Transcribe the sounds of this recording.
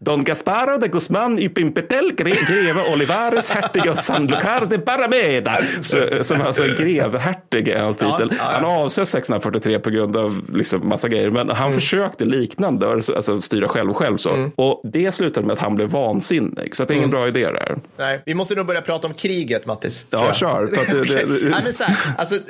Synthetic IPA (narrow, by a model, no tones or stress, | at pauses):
d̪ɔŋɡaspaɾɔd̪ɛɡɵsmanːʏpɪmpɛt̪ɛlːɡɡɾeːvaʔɔlɪvaːɾɛshæʈːɪɡaɔsanlʊkʰaːɾd̪ɛpaɾamed̪assɔmalsɔɛɡɾeːvɦæʈːɪɡɪ̰hanst̪ʰiːəlhanhaɾɑːvsɛt̪ːsɛksɵnɾafœʈːɪt̪ʰɾeːpʰɔɡɾɵnd̪ɑvlɪ̰ksɔmːa̰sːaɡɾɛjːəɾmɛnɦanfœʂøːkt̪əliːknand̪əɔɛsɔa̰lsɔst̪yːɾaɧɛlvɧɛlvso̰ːɔd̪ɛslʉ̟ːt̪ad̪əmɛat̪hanblɛvːɑːnsɪnːɪ̰ɡ̥sɔat̪d̪ɛɾɪŋːənbɾɑːɪd̪ḛːɾ̰æ̰ɾnɛvɪmɔst̪ənuːɡbœɾjapɾɑːt̪aɔmkʰɾiːɡət̪mat̪ʰːɪsɑːʃøːɾfəɾat̪̚d̪ɛd̪ɛɛmɛnʔals̬ɔ